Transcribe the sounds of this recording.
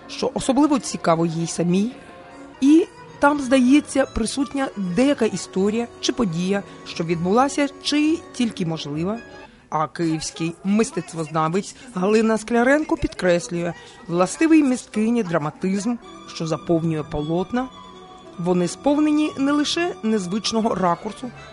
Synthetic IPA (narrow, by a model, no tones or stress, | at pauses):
ʃt͡ʃɔʔɔsɔblˠɪʋɔt͡sʲikɑʋɔjijsɐmʲij | i | t̪ɑmzd̪ɐjet͡sʲːɐpɾɪsutʲnʲɐd̪ɛjɐkaʔist̪ɔɾʲijɐt͡ʃɪpɔdʲijɐ | ʃt͡ʃɔʋʲid̪̚bʊlˠɑsʲɐt͡ʃɪtʲilʲkɪmɔʒlˠɪʋɐ | ɐkɪjiwsʲkɪjmɪst̪ɛt̪st̪ʋɔznɑʋɪt͡sʲɦɐlˠɪnɐsklʲɐɾɛnkɔpʲid̪kɾɛsʲlʲʊjɛ | ʋlˠɐst̪ɪʋɪjmʲist̪̚kɪjnʲid̪ɾɐmɐt̪ɪzm | ʃt͡ʃɔzɐpɔwnʲʊjɛpɔlˠɔt̪nɐ | ʋɔnɪspɔwnenʲinɛlˠɪʃɛnezʋɪt͡ʃnɔɦɔrɑkʊrsʊ